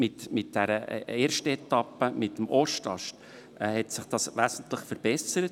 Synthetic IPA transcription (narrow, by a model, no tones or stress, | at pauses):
mɪtmɪt̚d̥ɛɾəeːɾʃtəɛtɑpːəmɪtːəmʔɔʃtɑʃtː | hɛtsɪχd̥ɑsʋæːsn̩tlɪχfəɾb̥ɛsəɾət